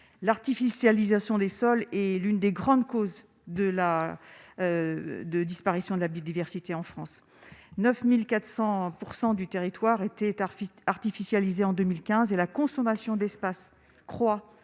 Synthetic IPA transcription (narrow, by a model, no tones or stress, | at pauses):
laʁt̪ifisjalizasjɔ̃d̪esɔlɛlynd̪eɡʁɑ̃d̪koz | d̪əla | d̪əd̪ispaʁisjɔ̃d̪əlabiod̪ivɛʁsit̪eɑ̃fχɑ̃s | nœfmilkat̪χsɑ̃puʁsɑ̃d̪yt̪eʁit̪waʁet̪ɛaʁt̪ifisjalizeɑ̃d̪ømilkʲɛ̃zelakɔ̃sɔmasjɔ̃d̪ɛspas | kχwa